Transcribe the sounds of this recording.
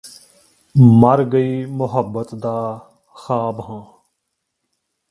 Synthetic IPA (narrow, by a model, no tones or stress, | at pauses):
məɾɡəiːmʊɦəbːət̪d̪aː | xaːbɦãː